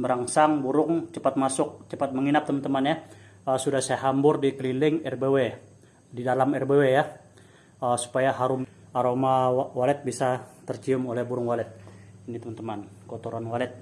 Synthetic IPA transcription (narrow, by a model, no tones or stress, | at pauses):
bəɾaŋsaŋbuɾʊŋt͡ʃəpat̪̚masʊk̚t͡ʃəpat̪̚məŋinap̚t̪əmant̪əmanja | əsudahsajaɦambʊrdikəlilɪŋɛrbewe | didalamɛrbeweja | əsu̥pajaɦaɾʊmaɾomawalɛt̪̚bisat̪ərt͡ʃiʊmolɛhbuɾʊŋwalɛt̪̚init̪əmant̪əman | kot̪oɾanwalɛt̪̚